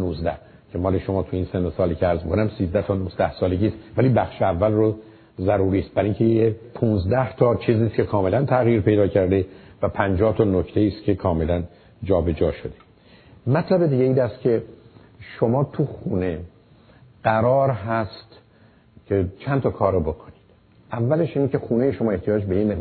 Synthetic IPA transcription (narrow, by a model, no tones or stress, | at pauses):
nuːzd̪æh | cʰemɒːleʃomɒːt̪ʰuiːnsenosɒːlicʰeæɾzmikʰonæmsiːzd̪æht̪ʰɒːnuzd̪æhsɒːle̞ɟʲiːst̪væliːbæxʃeævːælro | zæɾuːɾiːst̪̚bæɾiŋcʰejepʰunzd̪æht̪ʰɒːt͡ʃʰiːziːst̪kʰe̞kʰɒːme̞lænt̪ʰæɣjiːɾpe̞jd̪ɒːcʰæɾd̪evæpʰænd͡ʒɒːht̪ʰɒnoct̪ʰe̞iːst̪cʰe̞kʰɒːme̞læn | d͡ʒɒːbe̞d͡ʒɒːʃod̪e̞ | mæt̪ʰlæbe̞d̪iːɟeiːnæst̪kʰe̞ | ʃo̞mɒːt̪ʰuxune̞ | ɢ̥æɾɒːɾɦæst̪ | cʲʰe̞t͡ʃʰænt̪ʰɒːkʰɒːɾobo̞kʰo̥nid̪̥ | ʔævːæle̞ʃiːnecʰe̞xuːne̞jeʃomɒːe̞ht̪ijɒːd͡ʒbeinme